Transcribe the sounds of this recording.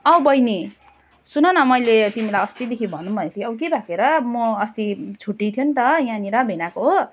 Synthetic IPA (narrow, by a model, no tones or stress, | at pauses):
ʌwbʌjni | sunʌnʌmʌjlet̪imilajʌst̪id̪ekʰibʱʌnːumʱʌnet̪ʰiʌbʌkebʱakeɾʌmʌːst̪it͡sʰuʈːit̪ʰjont̪ʌjãniɾʌbʱinakoɦo